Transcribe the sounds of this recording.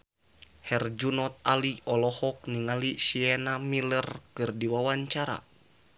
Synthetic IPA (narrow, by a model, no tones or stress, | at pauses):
hɛrd͡ʒunɔt̪̚aliɔlɔhɔk̚niŋalisiɛnamilərkɨrdiwawaɲt͡ʃaɾa̰